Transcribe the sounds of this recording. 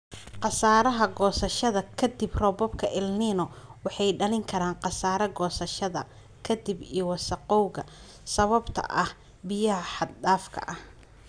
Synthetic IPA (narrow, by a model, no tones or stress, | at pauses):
qɑsaːɾɐɦɐɡɔːsɐʃɐðɐkʰɐd̪ibrɔbɔbkʰɐʔɪlniːnɔwɑħɑjɖɐlɪŋkʰɐɾaːnqɑsaːɾɐɡɔːsɐʃɐðɐ | kʰɐd̪ibiwɑsɐqɔwɣɐ | sɐβɐbt̪ʰɐ̰ʔɐh | bɪjɐɦɐħɑd̪ɖaːfkʰɐ̰ʔɐh